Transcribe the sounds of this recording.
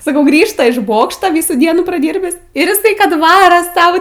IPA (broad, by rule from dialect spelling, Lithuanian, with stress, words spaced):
sɐˈkɐʊ ˈɡrʲiːʃtɐ ɪʃ ˈboːkʃtɐ ˈʋʲiːsuː ˈdʲiɛnuː prɐˈdʲiːrʲbʲɪs ɪr ɪˈsɐɪ ˈkɐt ˈʋɑːrɐ ˈsɐʊ